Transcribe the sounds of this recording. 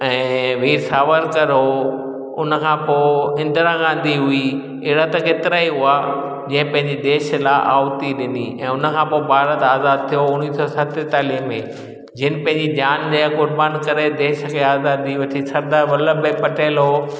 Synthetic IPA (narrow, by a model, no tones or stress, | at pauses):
ɛ̃ːʋiːɾsaːʋəɾkɐɾɦoː | ʊ̰nə̆kʰãːpoːɪ̃nd̪ɾãɡãːnd̪ʱiɦʊi | ɪɽət̪ɐkeːt̪ɪɾaːiɦua | d͡ʑɐ̃ːə̃pɐ̃ɦɪ̃ɲd͡ʑid̪eːʃlaʔaːʋt̪iɗɪnḭɛ̃ːʊnə̆kʰãːpoːbʱaːɾət̪aːzaːd̪̚t̪ʰijoʊniːsɔsɐt̪ɪt̪aːliːɦmẽ | d͡ʑɪnɪ̆pɐ̃ɦɪ̃ɲd͡ʑid͡ʑaːndeːkʊɾbaːnkɐɾed̪eːʃə̆kʰeaːzaːd̪iʋɐʈʰisɐɾd̪aːɾʋɐləbepɐʈeːlɦoː